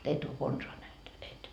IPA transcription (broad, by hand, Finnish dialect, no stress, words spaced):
et o konsoɑ næht et